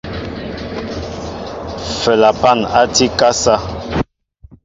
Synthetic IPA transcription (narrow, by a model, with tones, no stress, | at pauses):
fɛ˨la˨pa˦˨na˦ti˦ka˦sa˦